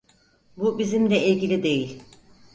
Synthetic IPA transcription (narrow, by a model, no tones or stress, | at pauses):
bubizimlʲɛilʲɟʲilʲid̪e̞jilʲ